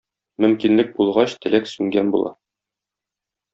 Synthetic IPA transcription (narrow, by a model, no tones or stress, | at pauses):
mɵ̆mkinlɘk̚bulˠʁɑɕt̪ɘ̆læksʉŋɡænbṵlˠɑ̰